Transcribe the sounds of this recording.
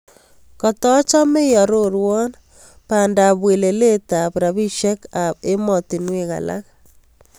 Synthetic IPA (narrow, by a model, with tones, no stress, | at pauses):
kɔ˨tɔ˦t͡ʃɔ˦mɪ˦jɔ˨ɾo˦ɾwɔ˦n | pa˨nda˨bwe˨le˨le˦ta˨bɾa˨βi˦ʃe˦ka˨e˦mɔ˨ti˨nwɪ˦˨ɣa̰˨la̰˦k